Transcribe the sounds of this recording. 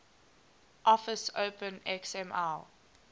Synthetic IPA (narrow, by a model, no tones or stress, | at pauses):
ʔɔfəsoʊpə̃nɛksɛmal